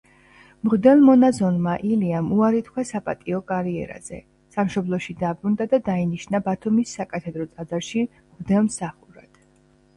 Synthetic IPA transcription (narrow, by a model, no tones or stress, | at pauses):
mʁd̪ɛlˠmɔnazɔnmaʔiliamuaɾit̪ʰkʰwasapʼat̪ʼiɔkʼaɾiɛ̰ɾa̰z̥ɛ̰ | samʃɔblˠɔʃid̪abɾund̪ad̪ad̪ainiʃnabat̪ʰumisːakʼat̪ʰɛd̪ɾɔt̪sʼad̪zaɾʃi | mʁd̪ɛlˠmsaχuɾa̰d̪̥